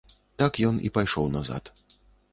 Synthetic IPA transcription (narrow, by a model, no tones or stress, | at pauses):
t̪akjɔnʔḭpajʂɔwnaza̰t̪